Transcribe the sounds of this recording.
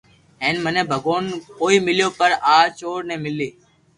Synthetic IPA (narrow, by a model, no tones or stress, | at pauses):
ɦeːnmənẽːbʱəɡoːnkoːiːmɪljoːpəɾaːt͡ʃoːɽnẽːmɪliː